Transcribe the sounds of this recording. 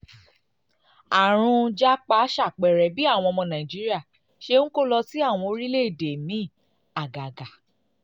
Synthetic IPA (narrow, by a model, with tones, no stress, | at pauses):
a˨ɾ̃ũ˧d͡ʒa˦k͡pa˧˦ʃa˦˨k͡pɛ˨ɾɛ˨bi˦a˦˨w̃ɔ̃˧mɔ̃˧nã˨ĩ˨d͡ʒi˦ɾi˦a˦˨ | ʃe˧ŋ̩̃˦ko˦˨lɔ˧ti˦a˦˨w̃ɔ̃˧o˧ɾi˦le˦i˦˨de˨mĩ˨˦˨ | a˨ɡa˨ɡa˨